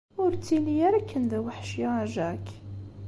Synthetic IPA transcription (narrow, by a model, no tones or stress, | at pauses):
ʊɾt͡sːinijæɾækʰːənd̪æwəħʃjaaʒæk